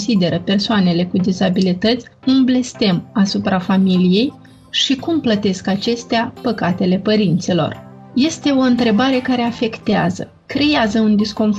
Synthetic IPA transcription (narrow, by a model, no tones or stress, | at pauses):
sid̪e̞ɾəpe̞rsoane̞le̞kud̪izabilit̪ət̪sʲɨnble̞st̪e̞masupɾafamilije̞j | ʃikumplət̪e̞skat͡ʃe̞st̪eapəkat̪e̞le̞pəɾint̪silo̞̰r | je̞st̪e̞o̞ɨnt̪ɾe̞baɾe̞kaɾe̞afe̞kt̪eazə̰ | kɾe̞jazəund̪isko̞nf